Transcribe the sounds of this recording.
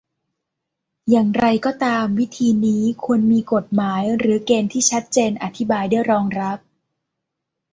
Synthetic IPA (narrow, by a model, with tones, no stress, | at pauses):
jaː˨˩ŋɾa˧jkɔː˥˩t̪aː˧mwi˦˥t̪ʰiː˧niː˦˥kʰu˧ənmiː˧ko˨˩t̪̚maː˩˦jɾɯː˩˦keː˧nt̪ʰiː˥˩t͡ɕʰa˦˥t̪̚t͡ɕeː˧nʔa˧t̪ʰi˦˥baː˧jdu˥˩əjɾɔː˧ŋɾa˦˥p̚